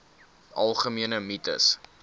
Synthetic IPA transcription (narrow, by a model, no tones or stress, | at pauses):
ʔɐlˠχəmiənəmitə̰s